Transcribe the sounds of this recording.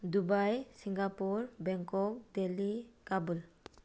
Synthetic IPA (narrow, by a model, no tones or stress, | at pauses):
dubajsiŋɡapuɾbɛŋkɔk̚delikabul